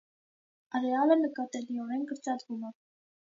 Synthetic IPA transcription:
ərɛɑlənəkɑt̪ɛliɔɾɛnkəɾt͡sɑd̪vumɛ

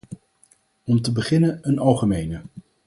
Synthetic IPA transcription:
ɔmtəbəχɪnənənɑlˠχəmejnə

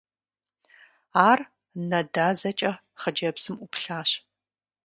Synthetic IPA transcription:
aːr | nɐdaːzɐt͡ʃʼɐ | χəd͡ʒɐpsɨmʔʊpɬaːɕ

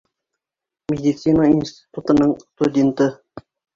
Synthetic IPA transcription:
mʲedʲit̪sinainʲsʲt̪ʲi̥t̪ut̪ɤ̆nɤɴst̪udʲent̪ɤ

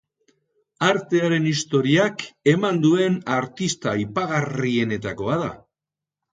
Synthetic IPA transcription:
aɾt̪e̞aɾe̞nist̪o̞ɾiake̞mand̪ue̞naɾt̪ist̪aipaɣarie̞ne̞t̪ako̞aða̰

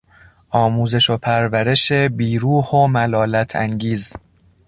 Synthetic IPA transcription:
ʔɒːmuːze̞ʃopʰæɾvæɾeʃe̞biːɾuːhomælɒːlæt̪ʰæ̰ŋɡiːz

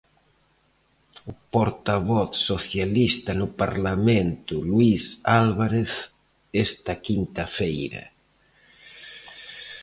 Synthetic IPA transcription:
upoɾt̪aβ̞ɔθsoθjalist̪anupa̰ɾlamẽnt̪ulwisalβaɾeθ | ɛst̪akint̪afejɾa̰

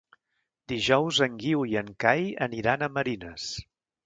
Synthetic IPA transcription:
d̪iʒɔwzəŋɡiwiəŋkajə̰niɾanəməɾinəs

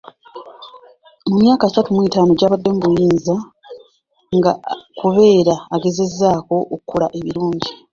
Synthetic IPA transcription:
mumjaːkaːsatumwiːtaːno̞ɟaːβadːeːmbuliːnza | ŋɡa̰kuβe̞ːɾaːɡe̞ze̞zːaːko̞ʔːkukːulaʔe̞βiɾuːɲɟi

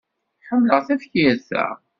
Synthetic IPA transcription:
ħəmːləʁθæfçjæɾθæ̰

